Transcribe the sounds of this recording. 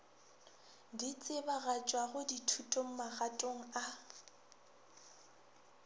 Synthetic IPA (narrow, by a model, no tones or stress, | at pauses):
dit͡sʼɪbaɣat͡ʃʼwaχʊditʰutʼoŋ̩maχatʼoŋ̩a